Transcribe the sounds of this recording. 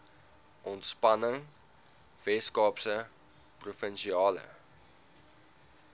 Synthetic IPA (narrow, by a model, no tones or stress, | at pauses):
ʔɔntspɐnəŋ | vɛskɑːpsə | prufənʃiɑːlə̰